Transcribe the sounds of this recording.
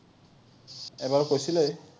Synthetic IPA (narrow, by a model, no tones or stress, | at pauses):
ebaɹkojsʰile